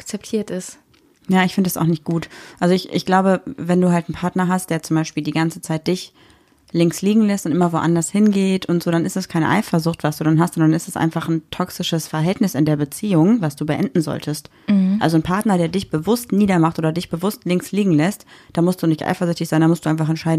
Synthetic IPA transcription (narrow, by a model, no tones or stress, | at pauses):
ak̚t͡sɛp̚tʰiːɐtɪst | jaːɪçfɪndədasa̰xnɪçt̚ɡ̥uːtʔalzoɪçʔɪçɡ̥laʊbəvɛnduːɦaltn̩pʰaɐtnɐɦast̚d̥eːɐt͡sʊmbaɪʃpiːldiːɡant͡sət͡saɪt̚d̥ɪç | lɪŋksliːɡŋ̩lɛstʊntʔɪmɐvoʔandɐshɪnɡeːtʊntz̥oːɾanɪstd̥askʰaɪnə̰ʔa̰ɪfɐzʊχtv̥asd̥uːdanɦastz̥ɔndnɪstɛ̥sʔa̰ɪnfaχn̩tʰɔksɪʃəsfɛɐɦɛltnɪsɪ̰ndeːɐbət͡siːʊŋvasd̥uːbəʔɛ̰ndn̩zɔ̰ltʰəst | ʔalzonpʰaɐtnɐdeːɐdɪçb̥əvʊstniːdɐmaχtʔoːdɐdɪçb̥əvʊstlɪŋksliːɡŋ̩lɛstd̥aːmʊstd̥uːnɪçtʔa̰ɪfɐzʏçtɪçz̥aɪndamʊstd̥uːaɪnfaχɛnt͡ʃʃaɪdn̩